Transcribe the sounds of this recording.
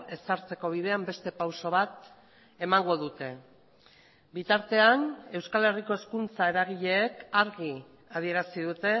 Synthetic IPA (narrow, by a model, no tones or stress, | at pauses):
e̞saɾt͡se̞ko̞β̞iðe̞ambe̞st̪e̞pawso̞β̞at̪ | e̞maŋɡo̞ðut̪e̞ | bit̪aɾt̪e̞ane̞wskale̞riko̞e̞skunt͡sae̞ɾaɣ̞iʎe̞ːkaɾɣi | aðie̞ɾasiðut̪e̞